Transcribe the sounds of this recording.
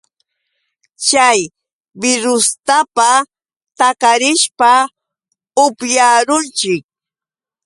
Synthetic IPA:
t͡ʃaj | bɪɾʊst̪apa | t̪akaɾɪʃpa | ʊpjaɾʊnt͡ʃɪk̚

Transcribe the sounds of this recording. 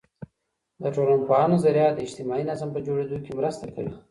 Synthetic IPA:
d̪əʈ͡ʂolanpoɑnozaɾjɑd̪əɪd͡ʒt̪ɪmɑinazampəd͡ʒoɽed̪ujokemɾəst̪akəɽi

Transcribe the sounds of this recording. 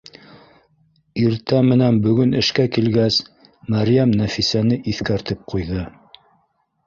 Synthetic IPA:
iɾt̪æmɘ̆nænbɵ̆ɡɵnɘ̆ʃkækilɡæs | mæɾjæmnæfisænɘʔiθkæɾt̪ɘp̚qujðɤ

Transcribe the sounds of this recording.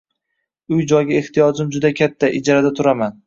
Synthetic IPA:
ʊjd͡ʒɒjɡʲaeht̪ijɒd͡ʒɪmd͡ʒʊd̪akʲʰat̪ʰːaʔɪd͡ʒɾad̪at̪ʰʊɾaman

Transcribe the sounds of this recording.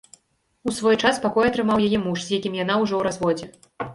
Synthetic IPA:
usvɔjt͡ʂaspakɔjɐt̪ɾɨmawjajɛmuʂzjakʲimjan̪awʐɔwɾazvɔd͡zʲɛ

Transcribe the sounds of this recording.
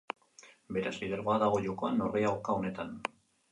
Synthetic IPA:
be̞ɾasliðe̞ɾɣoaðaɣ̞o̞ʎoko̞ano̞rɣeawkao̞ne̞t̪an

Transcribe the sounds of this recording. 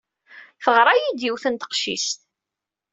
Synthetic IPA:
fəʁɾˤajid̪iwθənt̪ə̥qʃḭst̪

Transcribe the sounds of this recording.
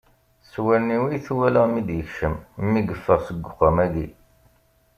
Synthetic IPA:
swæɾniwijθwæləʁmid̪jəçʃəmmːiɡəfːəʁsəɡʷːʊχamæɡi

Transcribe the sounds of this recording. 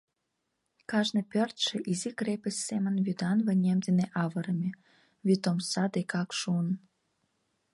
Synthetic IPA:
kɑʒnɤ̆pørt̪ʃĕʔizikrepə̆sʲːemə̆nvyd̪ɑnβə̆nʲemd̪eneʔɑβɤ̆ɾəmʲe | βit̪omsɑd̪ekɑkʃuən

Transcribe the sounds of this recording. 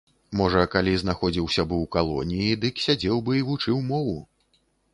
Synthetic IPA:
mɔʐɐkalʲiznaxɔd͡zʲiwsʲɐbɨwkalˠɔ̰nʲijid̪ɨksʲad͡zʲɛwbɨivut͡ʂɨwmɔvu

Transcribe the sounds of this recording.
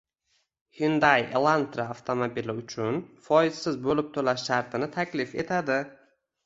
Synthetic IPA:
hɪnd̪ajḛlˠant̪ɾaaft̪ʰomobilɪʊt͡ʃʰʊnfɒɪzsɪzbolɪp̚t̪ʰolaʃːaɾt̪ʰɪnɪt̪ʰakʲlɪfe̞̰t̪ʰad̪ɪ

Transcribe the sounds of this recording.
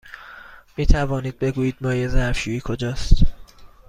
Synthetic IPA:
miːt̪ʰævɒːniːd̪̚be̞ɡuːjiːd̪̚mɒːjezæɾfʃuːiːkʰo̞d͡ʒɒːst̪

